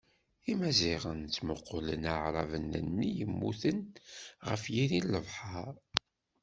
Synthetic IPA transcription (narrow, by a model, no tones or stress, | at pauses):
imæziʁənt͡sːməqːolənaʕɾˤɑvənənːijəmːuθənʁəfjiɾilːəvħɑɾˤ